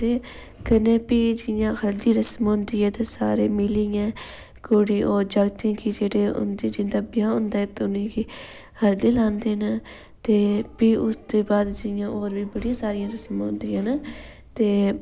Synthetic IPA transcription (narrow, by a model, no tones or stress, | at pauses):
t̪eː | kəneːpiːd͡ʒɪjãːhəɾd̪iːɾəsmɦõːnd̪iːɛːt̪eːsaːɾeːmɪliɛ̃ː | koːɽiːʔoːd͡ʒaɡt̪iãːkɪd͡ʒeːɽeːʊ̰nd̪id͡ʒɪ̃nd̪aːbɪjãːʊ̃nd̪aːɛːt̪ʊnĩːkiː | həɾd̪iːlãːnd̪eːnaː | t̪eːpiːʔʊsd̪eːbaːd̪d͡ʒɪjãːʔoːɾʋiːbəɽijãːsaːɾɪjãːɾəsmɦõːnd̪iːãːnaː | t̪eː